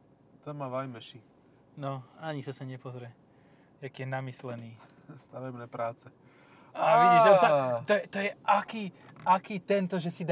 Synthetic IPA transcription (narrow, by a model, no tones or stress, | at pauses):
t̪ɔmaʋajmɛʃi | nɔaɲisasaɲɛpɔzɾɛ | jakiːjɛnamislɛniː | st̪aʋɛbnɛːpɾaːt͡sɛ | aɛɲɛʒasat̪ɔjɛt̪ɔjɛʔakiː | ʔakiːt̪ɛnt̪ɔʒɛsid̪